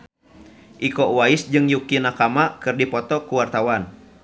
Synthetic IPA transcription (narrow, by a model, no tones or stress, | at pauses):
ʔikɔwaisd͡ʒɨŋjukinakamakɨrdipɔt̪ɔkuwart̪awan